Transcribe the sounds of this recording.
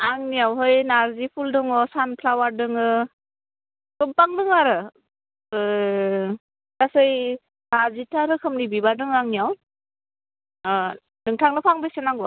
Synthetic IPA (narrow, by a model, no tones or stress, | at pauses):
aŋnijawɦɯjnaɾzipʰuldɯŋɔsanpʰlawaɾdɯŋɯ | kɯmpaŋdɯŋaɾɯ | tasɯj | naɾzitʰaɾɯkʰɯmnibibadɯŋaŋnijaw | dɯŋtʰaŋnɯpʰaŋbesenaŋɡɔ